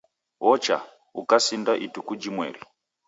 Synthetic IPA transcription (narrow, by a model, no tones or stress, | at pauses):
wɔt͡ʃa̰ | ṵkasindaʔitukud͡ʒimwɛ̰ɾi